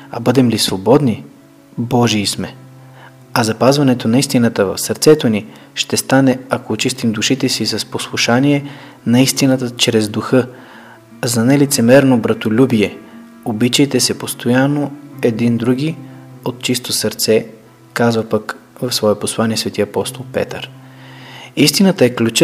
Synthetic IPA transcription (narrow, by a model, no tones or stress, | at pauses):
ɐ̰bɤd̪ɛmlisvobɔd̪ni | bɔʒiːsmɛ | ɐzɐpazvɐnɛt̪onɐist̪inət̪əvɐ̰fsɐɾt̪sɛt̪oni | ʃt̪ɛst̪anɛɐkoːt͡ʃist̪imd̪uʃit̪ɛsisɐsposlˠuʃaniɛ | nɐist̪inət̪ət͡ʃɾɛzd̪uxɤ | zɐnɛlit̪sɛmɛɾnobɾɐt̪olʲubiɛ | obit͡ʃəjt̪ɛsɛpost̪ʰojanːoɛd̪ind̪ɾuɡʲiot̪t͡ʃist̪osɐɾt̪sɛ | kazvəpəkvɐfsvɔɛposlˠaniɛsvɛt̪iəɐpɔst̪olˠpɛ̰t̪əɾ | ist̪inət̪əɛklʲut͡ʃ